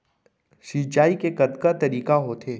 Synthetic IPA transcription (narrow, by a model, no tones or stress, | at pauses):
ʃit͡ʃaːikekɐd̪kat̪ɐɾiːkaɦot̪ʰeː